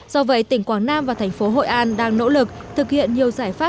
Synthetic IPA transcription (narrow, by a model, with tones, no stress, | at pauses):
zɔ˧və̰˧˨˦jt̪ï˧˩ŋ̟kwaː˧˩ŋnaː˧mvaː˨˩t̪ʰɛ˨˩jŋ̟fo˨˦ɦo̰˧˨jʔaː˨˧nɗaː˧ŋno̰˧˥lɨ˨˩k̚t̪ʰɨ˨˩k̚hḭ˧˨ənɲi˨˩əwzaː˧˩jfaː˦˥